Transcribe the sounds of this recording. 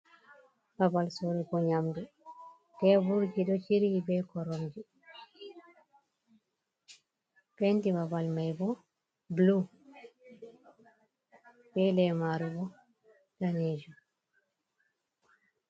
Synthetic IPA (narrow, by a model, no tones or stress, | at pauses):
babalsoɾiɡɔɲamdu | tɛbuɾd͡ʒiɗɔt͡ʃiɾibɛkɔɾɔmd͡ʒi | pɛntibabalmajbɔ | blu | kɛlɛmaɾubɔ | d̥aneːd͡ʒu